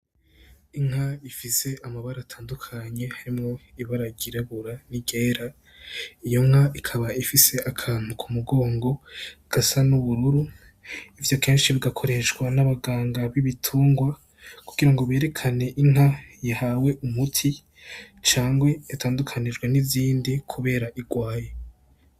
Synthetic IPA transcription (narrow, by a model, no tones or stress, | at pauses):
iŋ̥haifise̞amaβaɾaːtʰaːndukʰaɲe̞haɾimŋo̞iβaɾaɡiɾeβuɾaniɡe̞ːɾa | ijo̞ŋ̥haikʰaβaifise̞ʔakʰaːn̥hukʰumuɡo̞ːŋɡo̞ɡ̥asanuβuɾuɾu | ivjo̞ke̞ːnʃiβiɡakʰo̞ɾe̞ʃwanaβaɡaːŋɡaβiβitʰuːŋɡwa | kuɡ̥iɾaŋɡo̞βe̞ːɾe̞kʰane̞ʔin̥hajahawe̞ʔumutʰi | t͡ʃaːŋɡwe̞atʰaːndukʰanid͡ʒɡweniziːndikʰuβe̞ːɾaʔiɡwaːje̞